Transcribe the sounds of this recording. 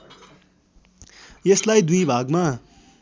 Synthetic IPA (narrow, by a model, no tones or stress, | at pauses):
jeslajd̪ujbʱaɡma